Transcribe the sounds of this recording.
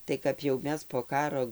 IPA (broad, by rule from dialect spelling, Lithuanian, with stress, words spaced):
tɐɪ kɐp jɛʊ ˈmʲɛs poː ˈkɑːroː